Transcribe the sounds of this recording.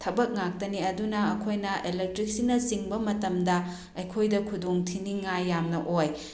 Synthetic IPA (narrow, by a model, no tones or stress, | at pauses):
tʰɐbɐk̚ŋak̚tɐniɐdunɐɐkʰojnɐʔelek̚tɾik̚sinɐsiŋbɐmɐtɐmdɐ | ɐjkʰojdɐkʰudoŋtʰiniŋːajːamnɐʔoj